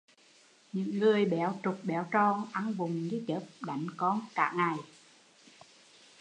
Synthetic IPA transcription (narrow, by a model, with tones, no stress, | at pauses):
ɲɨ̰˧˥ŋːɨ˨˩əjɓɛ˨˦wt͡ɕʊ˨˩k͡p̚ɓɛ˨˦wt͡ɕɔ˧ŋʔa˧nvʊ˨˩ŋ͡mɲi˨˦t͡ɕəː˨˦˥p̚ɗa˨˩jŋ̟kɔ˧nka̰ː˧˥ŋa˨˩j